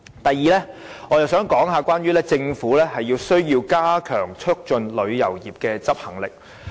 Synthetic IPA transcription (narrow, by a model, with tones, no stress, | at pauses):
t̪ɐ˨jːiː˨lɛː˥ŋɔː˨˧jɐ˨wsœː˨˥ŋkɔː˨˥ŋɦaː˨˧kʷaː˥njyː˥lɛː˥t͡sɪ˧ŋfuː˨˥lɛː˥hɐ˨jːiː˧wsɵ˥ɥjiː˧wkaː˥kʰœː˨˩ŋt͡ʃʰɵ˥k̚t͡ʃɵ˧nlɵ˨˧ɥjɐ˨˩wjiː˨˩p̚kɛː˧t͡sɐ˥p̚hɐ˨˩ŋlɪ̰˨k̚